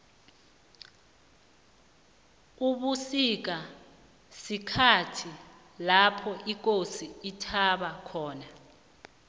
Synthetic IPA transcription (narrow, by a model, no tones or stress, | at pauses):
uɓusik̬a | sikʰatʰi | lapʰɔʔik̬ʼosiitʰaɓakʰɔːna